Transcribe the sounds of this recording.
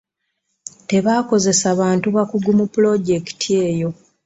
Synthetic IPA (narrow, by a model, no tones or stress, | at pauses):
te̞βaːko̞ze̞saβaːntuβakuɡumupulo̞ɟe̞ki̥tʰie̞ːjo̞